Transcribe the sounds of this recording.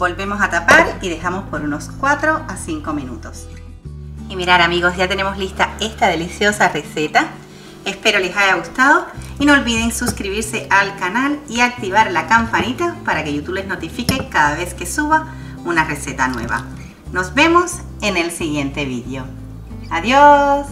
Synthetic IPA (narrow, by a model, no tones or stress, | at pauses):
bo̞lβe̞mo̞sat̪apaɾiðe̞xamo̞spo̞ɾuno̞skwat̪ɾo̞ʔasiŋko̞mĩnṵt̪o̞s | imiɾaɾamiɣo̞szʝat̪e̞ne̞mo̞slist̪ae̞st̪aðe̞lisjo̞sare̞se̞t̪a | e̞spe̞ɾolesaʝaɣust̪aðo̞inolβiðe̞ŋsuskɾiβiɾse̞ʔalkanaliak̚t̪iβaɾlakampanit̪apaɾakeʝut̪uβeno̞t̪ifikekaðaβe̞ske̞suβa | unare̞se̞t̪anwe̞̰β̞a̰ | no̞zβe̞mo̞s | e̞ne̞lsiɣje̞nt̪e̞βiðjo̞ | aðjos